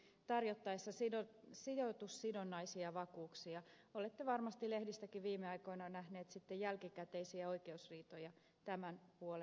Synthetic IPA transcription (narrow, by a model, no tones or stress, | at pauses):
t̪ɑrjot̪ːɑisːɑsiosidot̪usːidonːɑisiɑʋɑkuːksijɑolet̪ːeʋɑrmɑst̪ilehdist̪ækiʋʋiːmeɑikoinɑnæhneːt̪sit̪ːejælkikæt̪eisiæo̞ikeusriːt̪ojɑ | t̪æmænpuole